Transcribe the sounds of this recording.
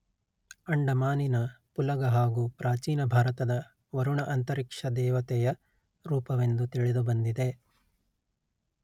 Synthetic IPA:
ɐɳɖɐmaːninɐpulɐɡɐɦaːɡuːpɾʔaːt͡ʃiːnɐbʱaːɾɐt̪ɐd̪ɐ | ʋɐɾuɳɐʔɐnt̪ɐɾikʂɐd̪ɛːʋɐt̪ɛjɐ | ɾuːpɐʋe̞nd̪ut̪iɭed̪ubɐnd̪id̪e̞

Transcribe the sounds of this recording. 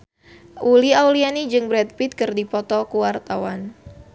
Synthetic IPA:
ʔuliawlianid͡ʒɨŋbɾɛt̪̚pit̪̚kɨrdipɔt̪ɔkuwart̪awan

